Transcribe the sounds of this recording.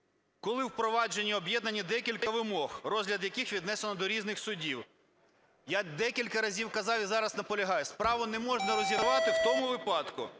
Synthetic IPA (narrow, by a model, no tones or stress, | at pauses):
kɔlˠɪwpɾɔʋɑd͡ʒenʲːiɔbjɛd̪̚nɐnʲːid̪ɛkʲilʲkɐʋɪmɔxrɔzʲlʲɐd̪jɐkixʋʲid̪nɛsenɔd̪ɔɾʲiznɪxsʊdʲiw | jad̪ɛkʲilʲkɐɾɐzʲiwkɐzɑwizɑɾɐznɐpɔlʲɐɦɑjɛspɾɑʋʊnɛmɔʒnɐɾɔzʲid̪ʊʋɑt̪ɪwt̪ɔmʊʋɪpɑd̪kʊ